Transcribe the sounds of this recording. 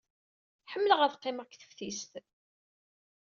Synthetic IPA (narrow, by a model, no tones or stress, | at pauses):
ħəmːələʁəθqːeməʁkθə̥fθist̪